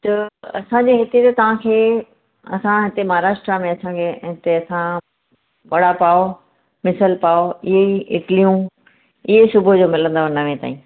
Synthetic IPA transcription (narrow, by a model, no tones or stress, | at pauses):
t̪ɐɐ̰sãd͡ʑeɦɪt̪et̪ɐt̪ɐʋ̤ãkʰeː | ɐ̰sãɦɪt̪emɐɦaɾaːʃʈɾamẽɐsãkʰeɦɪt̪eɐsã | ɓɐɽapaːo | mɪsəlpaːoɪɦeiɪʈlijũ | ɪɦesʊbʱʊd͡ʑoːmɪlə̃nd̪aʋɐnaʋẽt̪a̰ːĩː